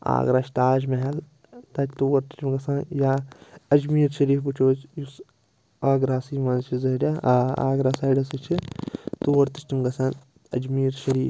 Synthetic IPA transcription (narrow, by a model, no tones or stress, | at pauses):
a̰ːɡɾaːʃt̪aːd͡ʒmɐɦɐl | t̪ɐt͡ʃʰʲt̪uːwɐɾt̪i̥ʈimɡɐsanjaːɐd͡ʒmiːɾʃɐɾiːfput͡ʃʰoːt͡ʃjus | aːɡɾaːsiːmɐnzt͡ʃʰizɐɾʲaa̰ːɡɾaːsaːɖɐsit͡ʃʰit̪uʋɐɾt̪iʃʈimɡɐsɐn | ɐ̰d͡ʒmiːɾʃɐɾiːf